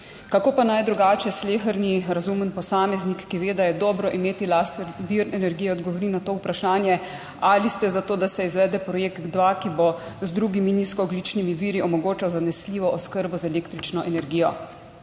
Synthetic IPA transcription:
kakoːpanajd̪ɾuɡaːt͡ʃɛsleːxəɾniɾazumənpɔsaːmɛznikːiʋeːd̪ajɛd̪ɔːbɾɔʔimeːt̪ilast̪ɾbiɾnɛnɛɾɡijɛɔd̪ɡɔʋɔɾinat̪oːupɾaʃaːnjɛ | alist̪ɛzat̪oːd̪asɛizʋɛːd̪ɛpɾɔjeːkt̪d̪ʋakibozd̪ɾuɡiminiskɔːɡlit͡ʃnimiʋiːɾiɔmɔɡoːt͡ʃawzanɛsliːʋɔʔɔskəɾbɔzaɛleːkt̪ɾit͡ʃnɔʔɛnɛɾɡiːjɔ

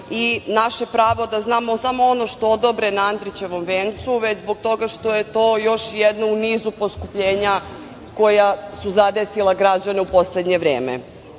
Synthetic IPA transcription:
inaʃe̞pɾaːʋo̞d̪aznaːmosamo̞ono̞ʃt̪o̞od̪obɾenaand̪ɾit͡ɕe̞ʋo̞mʋeːnt̪suʋed͡ʑzbo̞ɡ̚t̪o̞ɡaʃt̪o̞je̞t̪o̞ːjo̞ʃjed̪nouniːzuposkupʎeːɲa | ko̞jasuzad̪esilaɡɾad͡ʑane̞upo̞sle̞d̪ɲeʋɾeːmḛ

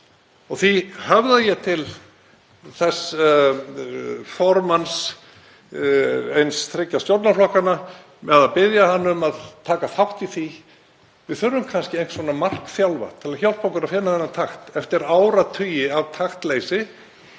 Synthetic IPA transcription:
ɔɣθihavðajɛt̪ʰɪl | θɛs | fɔɾmans | ejnsθɾɪcːast̪jowɾt̪naflɔhkana | mɛðaðpɪðjahanːʏmaðt̪ʰaːkaθawht̪iθi | vɪðθʏɾːʏmkʰanscɪejn̥t̪sɔnamar̥kθjawlva̰t̪ʰɪlaçawl̥pawŋkʏɾaðfɪnːaθɛnːat̪ʰaxt̪ɛft̪ɪɾaːwɾat̪ʰʏjɪavt̪ʰaxt̪lejsɪ

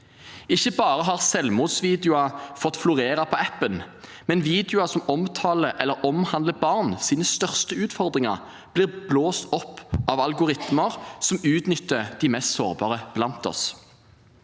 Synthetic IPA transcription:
ɪçəbɑːʁəɦɑːʁsɛlmuːd̪sʋiːd̪ɪʊɑfɔt̪flʊʁeːʁɑpʰɔɛpːən | mɛnʋiːd̪ɪʊɑsɔmɔmt̪ʰɑːləʔɛlːəɾɔmhɑnd̪ləbɑʁnsiːnəst̪œʁst̪əʉːt̪fɔʁd̪ʁɪŋɑ̰ʁ | b̥liːʁbloːst̪ɔpːɑʋɑlɡʊʁɪt̪məʁsɔmʉːt̪nʏt̪ːəd̪̥iːmɛst̪so̰ːʁbɑ̰ːʁəb̥lɑnt̪ɔ̰s

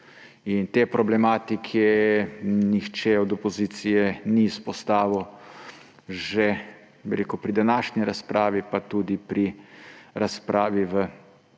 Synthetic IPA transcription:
int̪eːpɾɔblɛmaːt̪ikʰɛ | nixt͡ʃɛɔd̪ɔpɔziːt̪sijɛniːspɔst̪aːʋɔw | ʒe | biɾeːkupɾid̪anaːʃniɾaspɾaːʋipat̪ud̪ipɾi | ɾaspɾaːʋiʋə

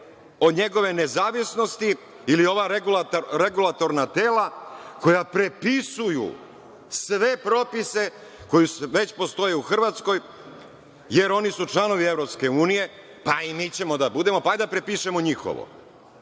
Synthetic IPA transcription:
o̞d̪ɲe̞ɡo̞ʋe̞nezaːʋisno̞st̪i | ilio̞ʋaɾeɡulat̪ɾeɡulˠat̪o̞ɾnat̪e̞ːlako̞japɾe̞pisujṵ | sʋe̞pɾo̞pise̞ | ko̞jusʋe̞t͡ɕpo̞st̪o̞jeuxr̩ʋat̪sko̞j | je̞ɾo̞nisut͡ʂt͡ʃlano̞ʋievɾo̞pske̞uːnije̞ | paimiːt͡ɕe̞mo̞d̪abud̪e̞mo̞paajd̪apɾepiʃemo̞ɲixo̞̰ʋo̰

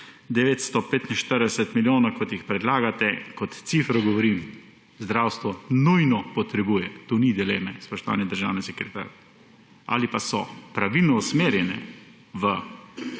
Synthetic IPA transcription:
d̪ɛʋeːt̪st̪ɔpeːt̪inʃt̪əɾd̪ɛsɛt̪miljoːnakɔt̪jixpɾɛd̪laːɡat̪ɛkɔt̪t̪sifɾɔɡɔʋɔɾim | zd̪ɾawst̪ʋɔnujnɔpɔt̪ɾɛbujɛt̪onid̪ileːmɛspɔʃt̪ɔʋa̰ːnjɛd̪əɾʒaːwnɛsɛkɾɛt̪a̰ɾa | a̰lipasɔpɾaʋilnɔusmeːɾjɛnɛ̰ | ʋə

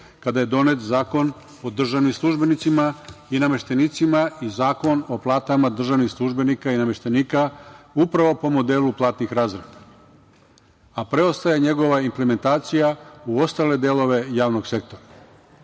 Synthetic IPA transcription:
kad̪aje̞d̪o̞ne̞t̪zaːko̞n | o̞d̪r̩ʒaʋnimslˠuʒbe̞nit̪simainame̞ʃt̪e̞nit̪simaizaːko̞no̞plˠaːt̪amad̪r̩ʒaʋnixslˠuʒbe̞nikainame̞ʃt̪e̞niːkaupɾaʋo̞po̞mo̞d̪e̞ːluplˠaːt̪nixɾaːzɾed̪a | apɾe̞o̞st̪ajeɲe̞ɡo̞ʋaimpleme̞nt̪aːt̪sijauo̞st̪ale̞d̪elo̞ʋe̞jaːʋno̞ɡse̞k̚t̪o̞ɾa

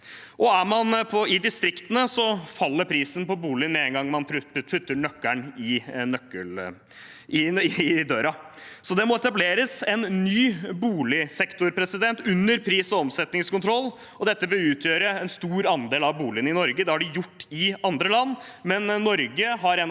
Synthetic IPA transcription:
ʔɔæɾmɑnpʰɔɪd̪ɪst̪ɾɪkt̪ənəsɔfɑlːəɾpʰɾiːsən̩pɔbuːlɪənmɛɛŋɡɑŋːmɑnpʰpʰʉt̪ːəɳœkːæɳɪnœkːəl | ɪɪd̪øːɾɑ | sɔd̪ɛmɔɛt̪ɑbleːɾəsɛnːyːbuːlɪsɛkt̪ʊɾpʰɾɛsɪd̪ɛnt̪ʉnːəɾpʰɾiːsɔɔmsɛt̪nɪŋskʰʊnt̪ʰɾɔlː | ɔd̪ɛt̪ːəbɪlʉːt̪ʰjøːɾəɛnst̪uːɾɑnd̪eːlɑʋbuːlɪənɪnɔɾɡəd̪ɛhɑɖɪjʊʈːɪɑnd̪ɾəlɑnːmɛnːɔɾɡəɦɑɾɛn

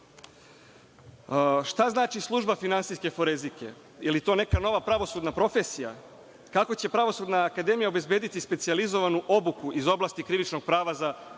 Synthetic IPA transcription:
ʃt̪aznaːt͡ʃislˠuʒbafinansiske̞fo̞ɾezike̞̰ | jelit̪one̞kano̞ʋapɾaʋo̞sud̪napɾo̞fe̞sija̰ | kako̞t͡ɕe̞pɾaʋo̞sud̪naːkad̪e̞mijao̞be̞zbe̞d̪it̪ispe̞t̪sializo̞ʋanuʔo̞bukuʔizo̞blˠast̪ikɾiʋit͡ʃnoɡ̥̚pɾaːʋaza

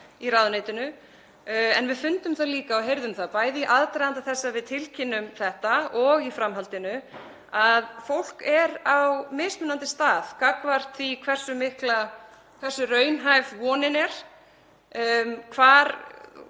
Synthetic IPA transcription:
iraðʏneːjt̪ɪnʏ | ɛ̰nvɪðfʏnt̪ʏmθaðliːkaːwɦejɾðʏmθaðpaːjðɪʔaðt̪ɾajðant̪aθɛsːavɪðt̪ʰɪlcʰɪnːʏmθɛht̪aɔɣifɾamɦalt̪ɪnʏ | aðfowl̥kɛɾawmeːst̪mʏnːant̪ɪst̪aːðkakvar̥t̪θikʰvɛr̥sʏmɪhkla | kʰv̥ɛr̥sʏrœɥnɦajvvɔːnɪnɛɾ̥ | kʰvaːɾ

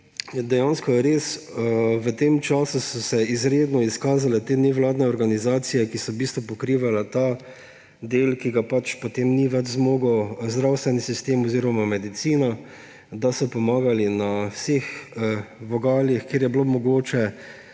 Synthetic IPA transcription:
d̪ɛjanskɔjɛɾeːs | ʋət̪emt͡ʃaːsusɔsɛizɾeːd̪nɔiskaːzalɛt̪eːnɛʋlaːd̪nɛɔɾɡanizaːt̪sijɛkisɔbiːst̪ʋɔpɔkɾiːʋalat̪a | d̪eːlkiɡapat͡ʃpɔt̪emniʋɛd͡ʒzmoːɡɔwzd̪ɾawst̪ʋɛnisist̪eːmɔziːɾɔmamɛd̪it̪siːna | d̪asɔpɔmaːɡalinawsex | ʋɔɡaːljixkeːɾjɛblomɔɡoːt͡ʃɛ

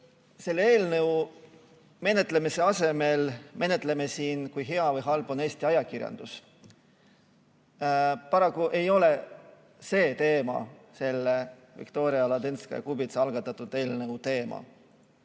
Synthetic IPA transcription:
se̞lːe̞ːlnɤw | me̞ne̞t̪ˑle̞mise̞ɑse̞me̞lme̞net̪ˑle̞me̞siːnkujɦe̞ɑvɤjɦɑlb̥o̞ne̞ːsʲt̪iɑjɑkirjɑ̰nd̪̥us | pɑɾɑkːˑuʔe̞jo̞le̞ | se̞ːt̪e̞ːmɑ̰se̞lːe | vḭkt̪o̞ːɾiɑlɑd̪enskɑ̰jɑ̰kubit̪seɑlɡɑt̪ːˑɑt̪ːˑud̪e̞ːlnɤwt̪e̞ːmɑ̰

